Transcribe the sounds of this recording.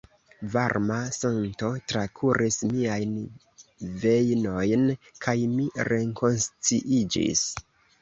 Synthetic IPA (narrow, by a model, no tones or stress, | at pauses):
vaɾmasanto̞tɾakʰuɾʔismiajn | ve̞jno̞jnkʰajmiɾe̞ŋko̞nst͡siʔid͡ʒḭs